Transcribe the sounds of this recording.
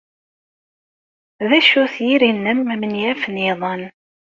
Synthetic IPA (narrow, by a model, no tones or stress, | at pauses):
ðæʃuθjiɾinːəmmənjæfniðˤən